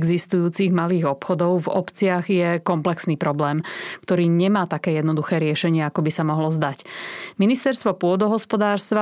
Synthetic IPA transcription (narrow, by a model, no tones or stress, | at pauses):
ɡzist̪ujuːt͡siɣmaliːɣɔpxɔd̪ɔʊvɔ̰pt͡sɪaɣjɛkɔmplɛksniːpɾɔblɛːmkt̪ɔɾiːɲɛmaːt̪akɛːjɛd̪nɔd̪uxɛːɾɪɛʃɛɲɪɛakɔbisamɔɦlɔzd̪acminist̪ɛɾst̪ʋɔpʊɔd̪ɔɦɔspɔd̪aːɾst̪ʋa